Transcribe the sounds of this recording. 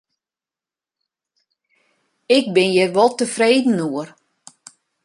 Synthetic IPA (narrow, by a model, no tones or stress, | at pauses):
ɪk̚bɪnjɛrʋɔlˠtəfreːdn̩uər